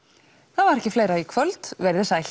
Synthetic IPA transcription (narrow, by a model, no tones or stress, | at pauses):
θavaɾɛhcɪfleːjɾaikʰvœlt̪vɛɾðɪsajl